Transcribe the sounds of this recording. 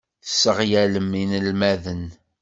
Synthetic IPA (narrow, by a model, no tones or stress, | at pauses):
əsːəʁjæləmːinəlmæðən